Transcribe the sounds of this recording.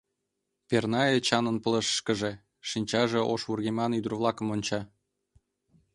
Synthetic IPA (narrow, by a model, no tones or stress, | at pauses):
pʲernɑet͡ɕɑnə̆npə̆ləʃʃkə̆ʒĕ | ʃinʲt͡ɕɑʒĕʔoʃβurɣemɑnyd̪ə̆rβlˠɑkə̆monʲt͡ɕɑ